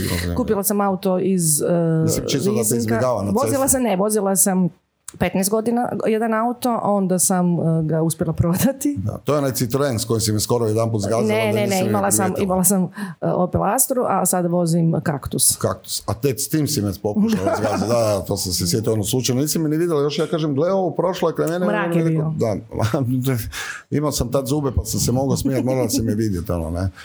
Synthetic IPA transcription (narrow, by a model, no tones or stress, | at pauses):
o̰zḭkuːpilˠasamaut̪oizimt͡ʃist̪oiaseizbkiaɡaːʋanaʋozilˠasaneʋo̞zilˠasam | pet̪nɛst̪ɡo̞d̪ina̰jed̪anaut̪o̞ʔo̞nd̪asamɡauspjelˠapɾo̞d̪at̪id̪a̰t̪ojeonaj̪sit̪ɾenskojimsimiskoɾaojed̪anmput̪zɡazneeneimalˠasamimalˠasamopelast̪ɾuʔasad̪aʋo̞zimkakt̪uskakt̪u̥sat̪et̪st̪iːmsimespokʃozɡazd̪ad̪at̪osamsesjet̪ioonoslut͡ʃajnoniːsimːiniʋid̪jelajo̞ʃjaːkaːʒemɡleoopɾo̞ʃloekemeneɾaːkeɾeiod̪aa | imaosamt̪ad̪zuːbepasamsemoɡosmijat̪moːɾalasimieʋid̪jet̪o̞̰no̰ne